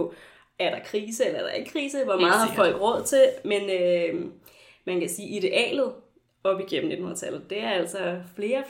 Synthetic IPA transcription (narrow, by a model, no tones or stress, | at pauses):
æɐɾ̥ɑ̈kʰʁiːsəelɐæɐd̥ɑ̈e̝ɡ̥əkʰʁiːsəʋɒmɑ̈ːð̩ˠhɑ̈fɒ̽l̰ɡ̥ʁɔ̽ð̞̰ˠt͡sʰe̝lmenø | mænkæsiːʔiɾ̥e̝ʔɛ̰ːlð̩ˠ | ɒ̽b̥iɡ̥en̰m̩ne̝dn̩hun̰ɐ̰t͡sʰælð̩ˠd̥e̝æɐæl̰sɒfle̝ːɐ